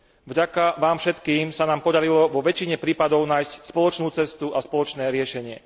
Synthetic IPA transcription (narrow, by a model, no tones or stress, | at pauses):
vɟakaʋaːmfʃɛt̪kiːmsanaːmpɔd̪aɾilɔʋɔʋɛt͡ʃiɲɛpɾiːpad̪ɔʊnaːjscspɔlɔt͡ʃnuːt͡sɛst̪uʔaspɔlɔt͡ʃnɛːɾɪɛʃɛɲɪɛ̰